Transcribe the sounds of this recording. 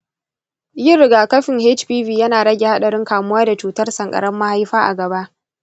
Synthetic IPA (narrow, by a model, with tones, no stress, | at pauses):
jɪ˦˨rːɪ˨ɡaː˨kɐ˦ɸɪ˨ŋhe˦t͡ʃɸiː˦viː˨jɐ˦naː˨ɽɐ˦ɡʲe˨ha˦ɗɐ˨ɽɪ˦ŋkaː˨mʊ˦waː˦da˨t͡ʃuː˨˦tɐ˦rsɐ˨ŋkʼɐ̰˨ɽɐ˦mːa˦ha˦jɸaː˦ʔa̰˨ɡɐ˨ba˦ʔ